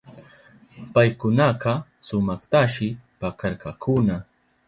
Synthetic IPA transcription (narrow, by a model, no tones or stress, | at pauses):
pajkʊnɑqɑ | sʊmɑχt̪aʃɪpakaɾkakʰʊna